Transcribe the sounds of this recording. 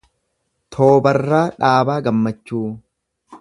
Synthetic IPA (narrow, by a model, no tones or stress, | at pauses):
t̪ʰoːbɐrːaːᶑaːbaːɡɐmːɐt͡ʃːuː